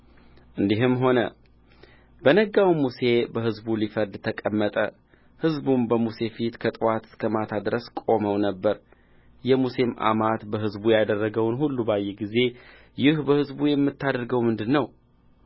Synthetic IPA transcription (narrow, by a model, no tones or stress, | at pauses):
ʔɨnd̪iɦɨmɦo̞nə̰ | b̥ənəɡawmuse̞bəɦɨzbulifəɾd̪t̪ʰəkʼəmːət̪ʼə̰ | hɨzbunbəmuse̞fit̪kʰət̪ʼɨwat̪ɨ̥skʰəmat̪ʰad̪ɾəskʼo̞məwnəbːəɾ | jɛmusemʔa̰mat̪bəɦɨzbujad̪ərːəɡəwnhulːubajːɛɡize̞ | jɪhbəhɨzbujɛmːɨt̪ʰːad̪əɾɡəwmɨnd̪ɨnːəw